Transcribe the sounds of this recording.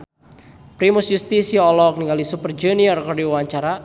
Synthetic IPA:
pɾimusjust̪isiɔlɔk̚niŋɡalisupərd͡ʒuniɔrkɔrdiuwaɲt͡ʃaɾa

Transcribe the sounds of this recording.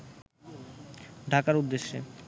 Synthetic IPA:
ɖʱakaɾud̪ːeʃːe

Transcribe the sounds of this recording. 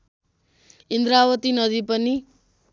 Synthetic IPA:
ind̪ɾawʌt̪inʌd̪ipʌni

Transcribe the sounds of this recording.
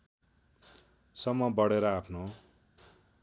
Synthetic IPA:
sʌmːʌbʌɽeɾʌapʰno

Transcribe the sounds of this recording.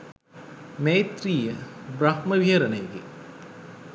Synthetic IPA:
meːt̪riːjəbɾɐhməʋiɦəɾɐnəjəɡḛ

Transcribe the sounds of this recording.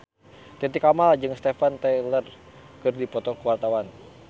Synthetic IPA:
t̪ɛt̪̬ikamald͡ʒɨŋst̪ɛfant̪ɛlər | kɨrdipɔt̪ɔkəwart̪awan

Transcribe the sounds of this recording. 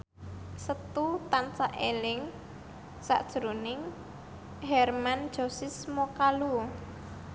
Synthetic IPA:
sət̪ut̪ant͡ʃaʔelɪŋ | sa̰ʔd̥ʒ̥ɾonɪŋ | ɦɛrmand̥ʒ̥o̤sɪsmɔkalu

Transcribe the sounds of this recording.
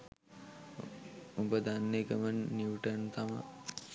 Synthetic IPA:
ubəd̪anːekəmənːiuʈənt̪ʰamə̰

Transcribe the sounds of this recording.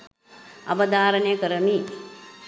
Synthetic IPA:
ɐʋɐd̪aːɾənejəkəɾəmiː

